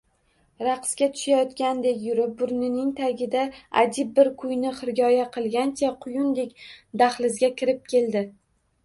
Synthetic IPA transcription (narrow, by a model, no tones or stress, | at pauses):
ɾaqʰɨ̥skʲat̪ʰʊ̥ʃajɒt̪kʲand̪e̞kʲjʊɾɪp̚bʊɾnɪnɪŋt̪ʰaɡʲɪd̪aa̰d͡ʒ̪ɪp̚ːɪɾkʰʊjnɪχɪɾɡʲɒjaqʰɨlˠɡʲant͡ʃʰaqʰʊjʊnd̪e̞kʲd̪aχlˠɪzɡʲakʲʰɪɾɪp̚kʲʰe̞ld̪ɪ